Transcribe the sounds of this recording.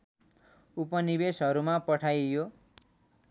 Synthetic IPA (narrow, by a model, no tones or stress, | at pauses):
upʌnibesɦʌɾumapʌʈʰajjo